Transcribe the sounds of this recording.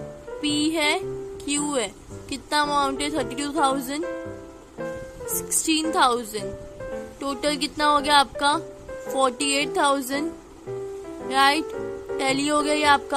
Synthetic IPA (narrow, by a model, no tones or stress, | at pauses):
piːɦɛkʰjuːɦɛː | kɪt̪namaʊ̃ɳʈɛt̪ʰəɾʈiʈuːt̪ʰaːʊzəɳɖ | sɪ̥ksʈiːnt̪ʰaʊzə̃ɳɖʈoːʈəlk̬ɪt̪naɦoːɡjaaːp̚ka | fɔːɾʈieːʈ̚t̪ʰaːʊzəɳɖ | ɾaːɪʈɛːliɦoːɡaaːp̚ka